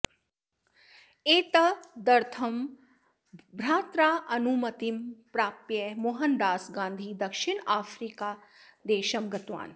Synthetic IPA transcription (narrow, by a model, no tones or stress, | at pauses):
eːt̪ɐd̪ɐɾt̪ʰɐm | bɾaːt̪ɾaːʔɐnumɐt̪impɾaːpjɐmoɦɐnɖaːsɡãːnd̪ʱiːd̪ɐkʃiɳaːfɾiːkaːd̪eːʃɐmɡɐt̪ʋa̰ːn